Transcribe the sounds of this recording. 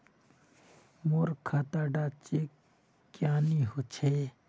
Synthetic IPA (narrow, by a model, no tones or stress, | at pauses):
moɾkʰat̪aɖat͡ʃekː | jaːniɦot͡ʃʰe